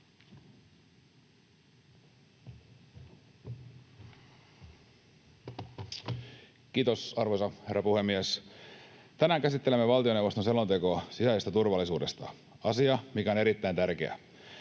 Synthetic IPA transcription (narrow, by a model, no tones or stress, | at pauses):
kiːt̪osɑrʋosɑherːɑpuhe̞mːies | t̪ænæːŋkæsit̪ːe̞lemːeʋɑlt̪io̞newʋost̪onselont̪e̞koɑsisæˑisest̪æt̪urʋɑlːˑisuːdest̪ɑ̰ | ɑsiɑmikæoneɾit̪ːæint̪ærkeæ̰